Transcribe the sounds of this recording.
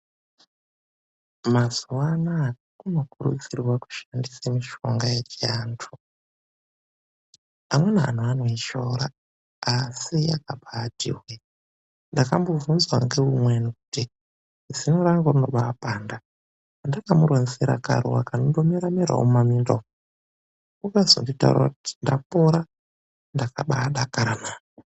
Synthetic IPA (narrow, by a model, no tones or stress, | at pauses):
mazuwana | kuno̞kurṵt͡sirwaku̥ʃandisamiʃo̞ŋɡajet͡ʃiaːntʰu̥ | amwe̞naɦa̰n̤uanoiʃo̞ɾa | asijakaɓadʱḭrwe | ndakambo̞vunzwa̰ŋɡe̞umwenukuti | zinoɾaŋɡorinoɓaːpaːnda | ndakamuɾwonziɾa̰ka̰ɾuwakanondomiɾamiɾa̰wo̰mamindo̰ | ukazo̰ndita̰ṵra̰kuti̥ndapoɾa | ndaka̰ɓaɗakaɾaman